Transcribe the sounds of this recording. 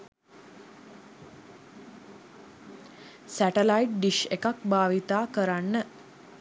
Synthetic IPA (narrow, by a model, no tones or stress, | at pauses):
sæʈelajʈ̚ɖiʃekak̚baːʋit̪aːkəɾanːə